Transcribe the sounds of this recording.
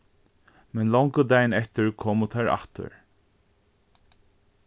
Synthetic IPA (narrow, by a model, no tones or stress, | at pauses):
mɛnlɔwŋkəd̪æjənɛht̪ɪɹkʰɔːmʊt̪ʰaɹa̰ht̪ə̰ɹ